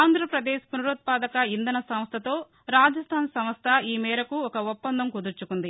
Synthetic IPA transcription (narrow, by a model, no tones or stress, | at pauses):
aːnd̪ʱɾɐpɾɐd̪ɛːʃpunuɾuːt̪̚paːd̪ɐkɐind̪ɐnɐsɐmst̪ʰɐt̪o̞ː | ɾaːd͡ʒɐst̪ʰaːnsɐmɐst̪ʰɐiːmɛːɾɐkuɔkɐopːɐnd̪ʱɐmkud̪uɾt͡ʃukund̪i